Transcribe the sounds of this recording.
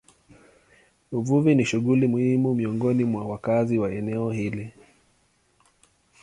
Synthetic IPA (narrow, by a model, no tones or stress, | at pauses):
uvuviniʃuɠulimuhimumiɔŋɡɔnimwawakaziwaɛnɛɔhili